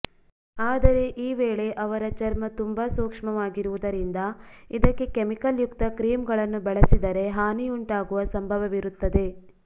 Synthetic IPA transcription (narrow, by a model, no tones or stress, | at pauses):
aːd̪ɐɾe̞ʔiːʋeːɭe̞ʔɐʋɐɾɐt͡ʃɐɾmɐt̪umbɐsuːkʂɐmɐʋaːɡiɾuʋud̪ɐɾind̪ɐid̪ɐkːe̞kemikɐljukt̪ɐkɾiːmɡɐɭɐnːubɛɭɐsid̪ɐɾe̞ɦaːniuɳʈaːɡuʋɐsɐmbʱɐʋɐʋiɾut̪ːɐd̪e̞